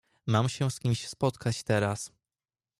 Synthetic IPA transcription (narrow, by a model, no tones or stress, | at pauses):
mamɕɛskʲimɕspɔt̪kʰat͡ɕt̪ɛɾas